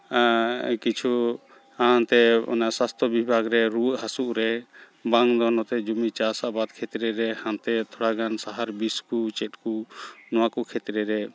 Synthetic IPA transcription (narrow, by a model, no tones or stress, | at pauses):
kit͡ʃʰu | aãnt̪ɛɔ̰naʔsast̪ʰɔbibʱaɡɾɛɾuʔhasuʔɾɛ | baŋd̪ɔnɔt̪ɛd͡ʒumit͡ʃasaʔbad̪̚kʰɛt̪ɾɛɾɛhãnt̪ɛt̪ʰɔɽaɡansaɦaɾbiskut͡ʃɛt̪̚kunɔwakɔkʰɛt̪ɾɛɾɛ